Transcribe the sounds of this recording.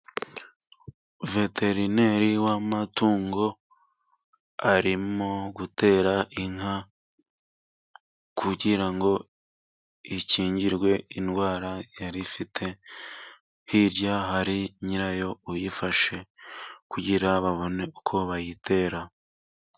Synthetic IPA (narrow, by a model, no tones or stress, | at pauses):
ve̞tʰe̞ɾine̞ɾiwamatuːŋɡo̞ | aɾimmoɡutʰe̞ːɾaʔiŋha | kʰuɟiɾaŋɡo̞ | iciːɲɟiɾɡwe̞inɡwaːɾajaɾifitʰe̞ | hiɾjahaɾiɲiɾajo̞ujifaʃe̞kuɟiɾaβaβo̞ne̞ukʰo̞βajitʰe̞ːɾa